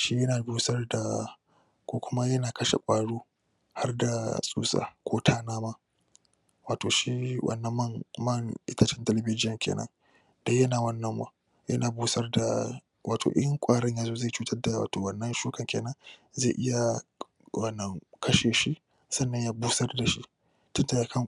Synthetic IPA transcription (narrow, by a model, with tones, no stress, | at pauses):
ʃi˦jɐ˦naː˨buː˦sɐ˦rda˨ | kʷoː˦kʷʊ˦ma˦jɐ˦naː˨kɐ˦ʃḛ˨kʷʼaː˨ɽuː˦ | ha˦rda˨sʼṵː˦sʼa̰ː˨kʰʷoː˦tʰaː˦naː˦maː˦ | waː˨toː˨ʃi˦wʔɐ̰˨nːɐ˦m˦ŋmɐ˦˨ŋʔɪ̰˦tɐ˦t͡ʃɪ˦ntɐ˦lɐ˨bɪ˦d͡ʒɪ˦jɐ˨ŋkʲḛː˨nɐ̰˦n | dɐ˦jɐ˦naː˨wɐ˦nːɐ˦mwa̰˦ | jɐ̰˦naː˨buː˦sɐ˦rda̰˨ | wʔaː˨tʰo̰ː˨ʔɪ˦ŋkʷʼaː˦ɽɪ˦ɲja˨˦zoː˦za˦˨t͡ʃuː˦tɐ˦rda˨wa̰ː˨toː˨wɐ˦nːɐ˦nʃuː˦kɐ˨ŋkʲeː˨nɐ˦nze˦˨ʔɪ˦ja˨ | wɐ˦nːɐ˦ŋkʰɐ˦ʃeː˨ʃi˦ʔ | sɐ˦nːɐ˦˨ɲjaː˦buː˦sɐ˦rda˨ʃi˦ | tʊ˦nta˨ja˨˦kʰɐ˦˨ŋ